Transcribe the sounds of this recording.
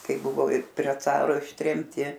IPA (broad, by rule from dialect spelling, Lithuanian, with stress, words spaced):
ˈkɐɪ ˈbʊʋoː ɪr pʲrʲiɛ ˈt͡sɑːroː ɪʃʲtʲrʲɛmʲˈtʲɪ